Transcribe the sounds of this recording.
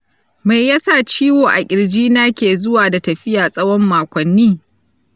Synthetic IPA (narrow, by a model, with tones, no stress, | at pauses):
ma˨jjɐ˦saː˦˨t͡ʃiː˦woː˨ʔa˨kʲʼɪ˨ɽd͡ʒiː˦naː˦kʲeː˨zʊ˦waː˨da˨tɐ˨ɸɪ˦jaː˨sʼɐ˦wɔ˦mːaː˨kʷɐ˨nːiː˦